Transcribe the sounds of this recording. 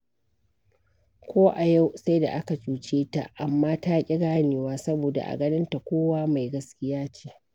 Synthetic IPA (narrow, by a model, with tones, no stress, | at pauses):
kʷʰoː˦ʔa˨ja˦˨wsa˦jda̰˨ʔa˦ka˨t͡ʃuː˦t͡ʃeː˦ta̰˨ʔa˨mːaː˦taː˦kʲʼɪ˦ɡaː˦nɪː˨waː˦sɐ˦boː˨da̰˨ʔa̰˨ɡɐ˦nɪ˦nta˨kʷoː˦waː˦ma˨jɡɐ˦skʲɪ˦jaː˦t͡ʃe̥ː˦